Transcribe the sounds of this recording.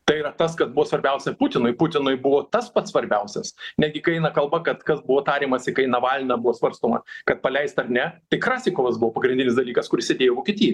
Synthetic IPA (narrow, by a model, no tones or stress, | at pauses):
t̪ɐɪiːɾɐt̪ɐskɐsbʊʋoːsʋɐɾʲbʲɛʊsʲɛpʊt̪ʲɪnʊɪpʊt̪ʲɪnʊɪbʊʋoːt̪ɐspɐt̪ssʋɐɾʲbʲɛʊsʲɛsnʲædʲɡʲɪkɐɪɛɪnɐkɐlˠbɐkɐt̪kɐsbʊʋoːt̪ɑːɾʲiːmɐsʲɪkɐɪnɐʋɑːlʲnʲɐbuʋoːsʋɐɾst̪oːmɐ̰kɐt̪̚pɐlʲɛɪst̪ɐɾnʲɛt̪ɐɪkɾɑːsʲeɪkoːʋɐsbʊʋoːpɐɡɾʲɪnʲdʲɪnʲɪsd̪ɐlʲiːkɐskʊɾɪsʲeɛd̪ʲeːjoːʋoːkʲiet̪ʲiːjɛ